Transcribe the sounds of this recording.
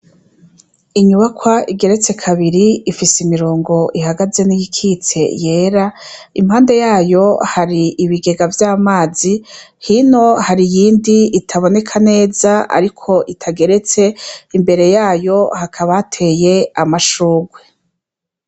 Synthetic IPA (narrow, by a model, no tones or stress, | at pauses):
iɲuβakwaʔiɡe̞ɾe̞t͡se̞kʰaβiɾiifisimiɾoːŋɡo̞ʔihaɡaze̞nijikʰit͡se̞̰je̞ːɾaim̥haːnde̞jaːjo̞haɾiiβiɡe̞ɡavjaːmaːzi | hino̞haɾijiːndiːtʰaβo̞ne̞kʰane̞ːzaa̰ɾikʰo̞ʔitʰaɡe̞ɾe̞t͡se̞imbe̞ɾe̞jaːjo̞hakʰaβatʰe̞ːje̞amaʃuːɡwe